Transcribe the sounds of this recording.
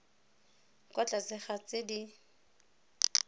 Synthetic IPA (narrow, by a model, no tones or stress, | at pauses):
kʼɔt͡ɬʼat͡sɪχat͡sʼɪdi